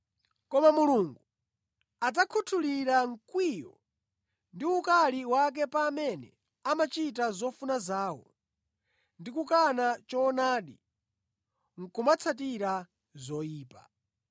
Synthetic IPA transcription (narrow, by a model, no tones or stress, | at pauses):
kɔmamuluŋɡu | ad͡zakʰutʰuliɾaŋ̩kwijɔ̰ | ndiukaliwak̬ɛpamɛnɛ | amat͡ʃitazɔfunazaːwɔ̰ | ndikukanat͡ʃɔnaːɗḭ | ŋ̩kumat͡sʰat̬iɾa | zɔjiːpa̰